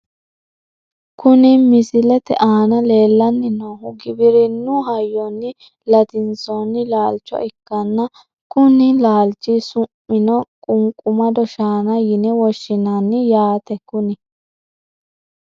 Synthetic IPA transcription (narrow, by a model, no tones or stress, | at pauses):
kʊnɪmɪsɪlɛt̪ɛ̰ʔaːnɐle̞ːlːɐnːɪnoɦʊɡɪbɪɾɪnʊɦɐjːɔnːɪ | lɐt̪ɪnt͡sɔnːɪlaːlt͡ʃːɔ̰ʔɪkːɐnːɐ | kʊnɪlaːlt͡ʃːisʊmːɪnɔkʼʊŋkʼʊmɐd̪ɔʃaːnɐjɪnɛwɔʃːɪnɐnːɪjaːt̪ɛkʊnɪ